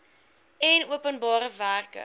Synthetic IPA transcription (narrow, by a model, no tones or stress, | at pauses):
ɛnuəpənbɑːɾəvæːrkə̰